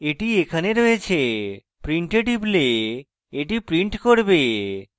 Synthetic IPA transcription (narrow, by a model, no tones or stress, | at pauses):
eʈiekʰaneɾoet͡ɕʰe | pɾiɳʈeʈible | eʈipɾiɳʈkoɾbe